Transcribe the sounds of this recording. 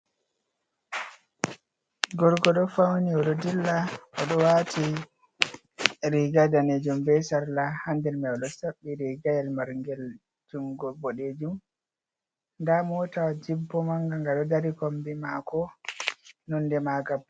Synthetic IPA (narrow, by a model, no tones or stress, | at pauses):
ɡɔɾɡɔɗɔfawniɔɗɔdilːaɔɗɔwatʰi | ɾiɡadaned͡ʒumbɛsaɾlahandɛlmɛɔɗɔsabːiɾiɡajɛlmaɾŋɡɛl | d͡ʒuŋɡɔbɔɗed͡ʒum | ndamɔtawd͡ʒibːɔmaŋɡaŋɡaɗɔdaɾikombimakɔ | nɔndɛmaɡab